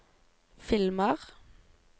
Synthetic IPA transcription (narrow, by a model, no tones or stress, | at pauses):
fɪlməʁ